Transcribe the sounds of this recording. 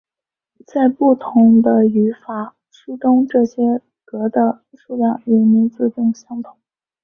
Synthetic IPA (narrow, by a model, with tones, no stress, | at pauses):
t͡sa˥˧ɪpu˥˩t̪ʰʊ˧˥ŋd̪ə˧y˧˥fa˨˩ | ʂu˥t̪ʊ˥ŋʈ͡ʂɤ˥˩ɕjɛ˥ | kɤ˧˥d̪ə˧ | ʂu˥˧ljɑ˥˩ŋɥi˧˥mi˧˥nt͡sɹ̩˥˧t̪ʊ˥˩ŋɕjɑ˥ŋt̪ʰʊ̥˨˩˦